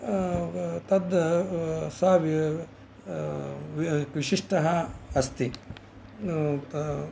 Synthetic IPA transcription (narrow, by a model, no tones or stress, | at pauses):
t̪ɐd̪ɐsɐʋi | ʋʋiʃiʂʈɐɦɐɐst̪i | t̪